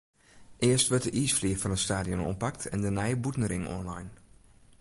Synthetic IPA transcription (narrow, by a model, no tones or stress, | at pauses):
ʔɪəstʋøt̚dəʔiːsfliəfɔnənstaːdionɔ̰npaktʰɛ̰ndənɛjəbutnəɾɪŋɔ̰nlajn